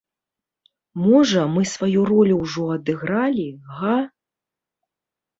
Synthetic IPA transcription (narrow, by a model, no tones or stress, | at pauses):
mɔʐɐmɨsvajurɔlʲuwʐɔɐd̪ɨɣɾalʲiɣa